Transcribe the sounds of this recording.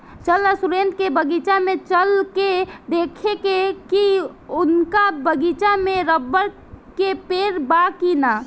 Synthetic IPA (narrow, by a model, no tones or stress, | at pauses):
t͡ʃəlasuɾent̪̚kebəɡit͡ʃamẽt͡ʃəlked̪ekʰekekiʊnkabəɡit͡ʃameɾəbːəɾ | kepeɾbakina